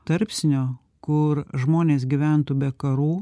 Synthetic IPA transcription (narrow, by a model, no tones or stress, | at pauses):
t̪ɐɾʲpʲsʲɪnʲoː | kʊɾʒmoːnʲeːs̬ɡʲiʋʲæˑnt̪uːbʲɛkɐɾuː